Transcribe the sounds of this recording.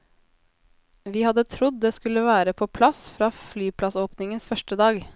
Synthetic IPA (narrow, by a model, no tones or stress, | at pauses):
ʋiːhɑd̪ət̪ʰɾʊd̪̚d̪eːskʉləʋæːɾəpʰoːpʰlɑsfɾɑːflyːpʰlɑsoːpnɪŋənsfœʃʈəd̪ɑːɡ